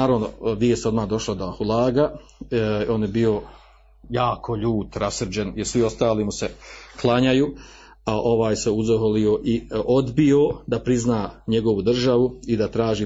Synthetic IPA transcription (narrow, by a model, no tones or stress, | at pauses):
aːɾaʋno̰ʋiest̪eo̞d̪maːhd̪o̞ʃlˠad̪ohulˠaːɡa | o̞ːnjebio̞ | jaːkʰo̞ʎuːt̪ɾasrd͡ʑenjeɾsʋio̞st̪aːlimuseklˠaɲajuː | aʔo̞ʋaːjseuzoɦolioʔiʔod̪biod̪apɾiznaːɲe̞ɡo̞ʋud̪r̩ʒaʋuid̪at̪ɾaːʒiː